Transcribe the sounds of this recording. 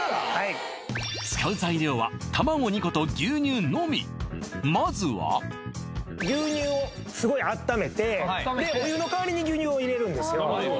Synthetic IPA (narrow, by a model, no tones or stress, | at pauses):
ha | sɨ̥kaɯ̟zaiɾʲjo̞ːβa̰t̪amaɡo̞ɲ̟iko̞t̪o̞ɡʲɨːɲ̟ɨːno̞mʲḭmazɨβa̰ | ɡʲɨːɲɨːo | sɨɡo̞iat̪ːame̞t̪e̞d̪eojɯːno̞kaβaɾʲiɲ̟iɡʲɨːɲ̟ɨːoiɾe̞ɾɯ̟̃nd̪e̞sɨjo